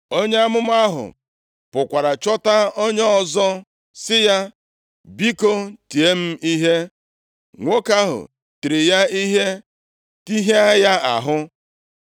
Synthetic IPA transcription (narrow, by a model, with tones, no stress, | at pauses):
o˦ɲe˦a˦mʊ˦m˦a˦ɦʊ̰˨ | pʊ˨kʷa˨ɾa˨t͡ʃɔ˦ta˦o˦ɲ˦ɔ˦˨zɔ˦ | sɪ˦ja˦ | bi˦ko˦ti˨e˦m̩˦i˦ɦe˦ | ŋʷo˦ka˦ɦʊ̰˨ | ti˨ɾɪ˨ja˦i˦ɦe˦ | ti˦ɦe˦a˦ja˦a̰˨ɦʊ˦